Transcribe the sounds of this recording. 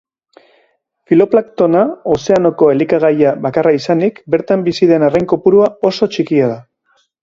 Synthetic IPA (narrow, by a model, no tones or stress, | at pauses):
filo̞plakt̪o̞nao̞se̞ano̞ko̞e̞likaɣ̞ajaβakaraisanikbe̞ɾt̪ambisiðe̞narejŋko̞puɾuao̞so̞t͡ʃikiað̞a